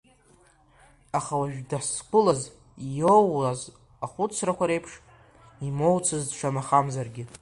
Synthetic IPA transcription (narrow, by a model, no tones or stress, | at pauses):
aχawaʒᶣdaskʷʊlaz | jowaz | aχʷʊt͡sʰrakʷaɾe̞jpʰʂ | imo̞wt͡sʰɨzdʈ͡ʂʷʰamaχamzarɡʲɪ